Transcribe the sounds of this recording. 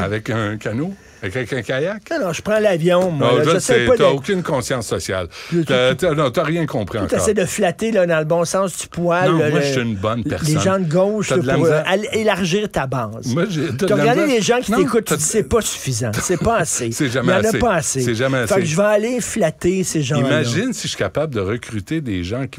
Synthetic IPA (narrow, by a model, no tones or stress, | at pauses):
a̰vɛkɛ̃kʲano | kavɛkɛ̃kʲajaknɔ̃ʒə̥pʁɑ̃lavjɔ̃mwãʒɛsɛɛjpɔd̪aokʲynkɔ̃sjɑ̃sːɔsja̰llt̪nɔ̃t̪yaʁjɛ̃kɔ̃pʁiɑ̃k̪t̪ḛsɛjd̪əflat̪elʌd̪ɑ̃ləbɔ̃sɑ̃ːsd͡z̪y̥pwalɔlmsyːnbɔnpɛ̰ʁleʒɑ̃d̪əɡɔʊʃəlʁalelaʁʒiːʁt̪abɑːzmwaʒet̪əʁɡaʁd̪eleʒɑ̃kʲint̪ekʊt̪̚ːd͡z̪isɛpɔsy̥fizɑ̃sɛpɔasesɛʒamɛãnɐpɔasesɛʒamɛasfɛkʒəvaːleflat̪eseʒɑ̃imaʒɪnsiʃɥi̥kapabd̪əʁəkʲʁyt̪ed̪ḛʒãkʲ